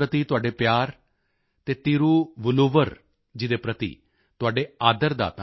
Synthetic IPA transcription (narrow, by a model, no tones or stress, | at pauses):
ɾət̪iːt̪ʊaːɖeːpjaːɾ | t̪eːt̪iːɾuːʋənoːʋəɾ | d͡ʒɪd̪eːpɾət̪ḭː | t̪ʊɦaːɖeːaːd̪əɾd̪a̰ːt̪a